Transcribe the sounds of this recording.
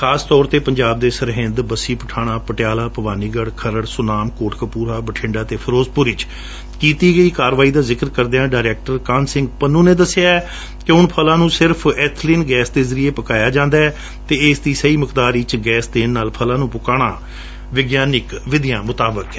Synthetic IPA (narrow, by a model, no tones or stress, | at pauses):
xʰaːst̪ɔːɾt̪eːpəɲd͡ʒaːb̚d̪eːsəɾɦɪ̃nd̪bəsiːpəʈʰaːɽ̃aːpəʈɪjaːlaːpəʋaːniːɡəɽkʰəɾəɽsʊnaːmkoːʈʰkəpuːɾaːbəʈʰɪ̃ɳɖaːt̪eːpʰəɾoːzpʊɾɪt͡ʃ | kiːt̪iːɡəiːkaːɾʋaːiːd̪aːzɪkəɾkəɾd̪eãːɖaːɪɾɛːk̚ʈəɾkaːnsɪ̃ŋɡpənːũːneːd̪əsːɪjaːɛː | kɪʊnpʰəlãːnũːsɪɾpʰɛːt̪ʰliːnɡɛːsd̪eːzəɾieːpəkaːjaːd͡ʒãːnd̪aːɛː | t̪eːɪːsd̪iːsəiːməkd̪aːɾit͡ʃɡɛːsd̪eːnːaːlpʰəlãːnũːpʊkaːɽ̃aː | ʋɪɡjaːnɪkʋɪd̪ɪjãːmʊt̪aːbəkɛː